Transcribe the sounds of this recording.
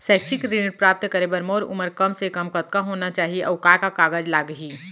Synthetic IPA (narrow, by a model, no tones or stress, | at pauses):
sɛːkt͡ʃʰɪkɾɪnɾpɾaːp̚t̪kəɾeːbəɾmoːɾʊ̰məɾkɐmsekɐmkət̪̚kaɦoːnat͡ʃaːɦieʔɐʋkaːɾkakaːɡəd͡ʒlaːɡɦiː